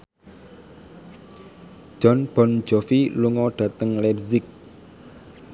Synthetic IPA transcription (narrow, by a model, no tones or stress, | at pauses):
ʒ̥ɔnb̥ɔn̥d͡ʒɔfiluŋɔɖ̥ä̤t̪əŋlɛbzɪk̚